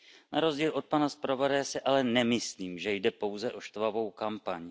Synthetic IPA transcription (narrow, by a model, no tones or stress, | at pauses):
naɾo̞zɟiːlʔo̞t̪̚panaspɾovadajsɪʔalɛnɛmɪsliːmʒɛjdɛpo̞wzɛʔo̞ʃt̪vavo̞wkampaɲ